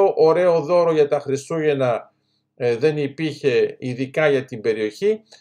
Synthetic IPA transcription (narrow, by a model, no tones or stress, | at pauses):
oʔoɾe̞o̞ðo̞ɾo̞ʝɐt̪ɐxɾist̪uʝe̞nɐ | ðe̞nipiɾçe̞iðikɐʝɐt̪imbe̞ɾio̞çi